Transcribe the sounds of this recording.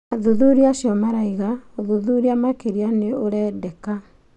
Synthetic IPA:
aðuðuɾiaʃjɔmaɾaiɣaoðuðuɾiamakeɾianeoɾɛːdɛka

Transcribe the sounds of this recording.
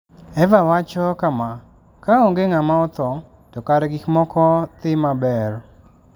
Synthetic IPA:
ɛvawat͡ʃɔkama | kaɔŋɡeŋamaɔt̪ɔ | tɔkaɾɛɡɪkmɔkɔt̪ɪmabɛɾ

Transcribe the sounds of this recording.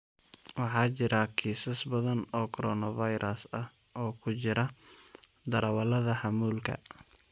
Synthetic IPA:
wɑħɑːt͡ʃɪɾɐkʰiːsɐsbɐðɐnɔːkʰɔɾɔːnɐvɐjɾʔɐsɐh | ʔɔːkʰʊt͡ʃɪɾɐ | d̪ɐɾɐwɐlɐðɐħɑmuːlkʰɐ̰

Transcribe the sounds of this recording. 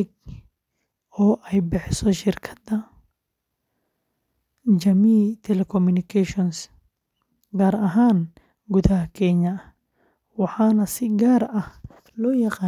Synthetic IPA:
ɡ | ɔːʔɛjbɪħsɔʃɪrkʰɐ̥d̪ɐ | d͡ʒɐmiːt̪ʰɛlɛkʰɔmunɪkʰɛʃɔns | ɡaːɾɐɦaːn | ɡʊðɐhɐkʰɛɲɐ | wɑħɑːnɐsɪɡaːɾɐh | lɔːjɑqɑː

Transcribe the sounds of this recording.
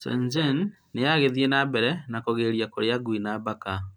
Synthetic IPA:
sɛ̰nd͡ʒen | neaɣeðienabɛɾɛnakoɣeɾiakoɾeaɡwinabaka

